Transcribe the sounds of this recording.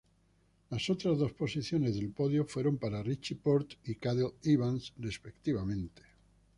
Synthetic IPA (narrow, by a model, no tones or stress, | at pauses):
laso̞t̪ɾazðo̞spo̞siθjo̞ne̞zðe̞lpo̞ðjofwe̞ɾo̞mpaɾarit͡ʃipo̞ɾt̪ikaðeliβansre̞spe̞k̚t̪iβ̞amẽ̞nt̪e̥